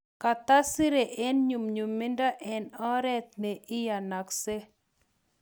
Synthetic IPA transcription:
ka˨t̪a˦sɪ˦ɾe˨ʔe˦nɲu˨mɲu˨mːɪ˦nda˦ʔɛ˨nɔ˦ɾɛ˦t̪̚ne˨ʔɪ˦ja˨na˨kse˦

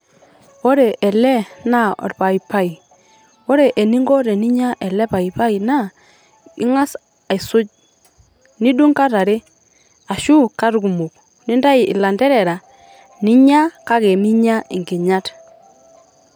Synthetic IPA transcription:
o˦ɾe˨ʔɛ˨lɛ˦na˦ɔ̰˨ɾpa˨i˨pa˦i˨ | wo˦ɾe˨ʔe˨ni˦ŋɡo˦ɾe˨ni˦ɲa˦ʔɛ˨lɛ˦pa˨i˨pa˦i˨na˦ | ɪ̰˦ŋa˦s | a˨ɪ˨sʊ˦t͡ʃ̚ | ni˦du˦ŋka˦ɾa˨ɾe˦ | a˨ʃu˦ka˦ɾku˨mu˨k̚ | nɪ˦nda˦ɪ˨ɪ̰˨la˨ndɛ˦ɾɛ˨ɾa˨ | nɪ˦ɲa˦ka˦ke˨mi˦ɲa˦ɪ˨ŋɡɪ˨ɲa˦t

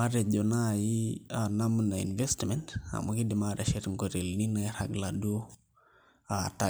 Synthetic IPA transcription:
ma˦ɾe˨ɟo˨na˦ji˦ana˦mnaḭ˨nve˦stmenta̰˨maki˦di˨mada˨ʃetŋɡo˨ɾe˨lni˦na˨˦ɾaɡlado˦ | ata

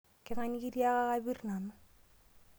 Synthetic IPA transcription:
kɪ˦ŋa˦ɲi˦ki˦ɾi˦a˦ka˦ka˦bi˦rna˨nʊ˦

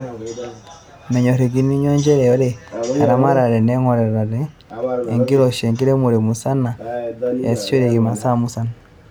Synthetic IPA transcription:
mɛ˨ɲɔ˨ɾe˨ɡi˦ni˦ɲɔ˦ɲd͡ʒɛ˦ɾɛ˨jɔ˦ɾe˦a˨ɾa˦ma˦ɾa˨ɾɛ˨nɛ˦ŋɔ˨ɾɛ˨ɾa˨ɾeː˦˨ | ŋɡi˦ɾɔ˨ʃe˨ŋɡi˦ɾe˦mo˨ɾe˨mu˨sa˦na˨e˨si̥˦t͡ʃo˦ɾe˨ki˨ma˨sa˦mu˦sa˦na˨

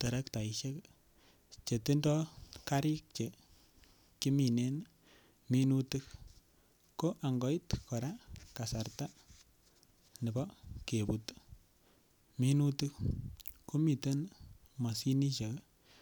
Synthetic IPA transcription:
tə˨ɾɛ˦kta˨iʃɛ˦k | t͡ʃe˨ti˦ndɔ˦ka˦ɾi˦k̚t͡ʃe˨ | ki˦mi˨ne˦n | mi˦nu˦tɨk | ko˦ʔa˨ŋɡɔ˦i˦tkɔ˨ɾa˦ka˨sa˨ɾta˦ | nɪ˨bɔ˦kebut | mi˦nu˦tu˦kku˦mi˨tə˦n | ma˨si˦ni˦ʃe˨k

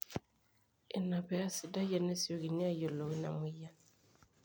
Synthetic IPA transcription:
ɪ˨na˨pɛ˨˦a˦si˨da˦jɛ˨nɛ˦si˨o˦ki˨ni˦a˦jo˨lo˨wi˦na̰˨mwi˦ja˦

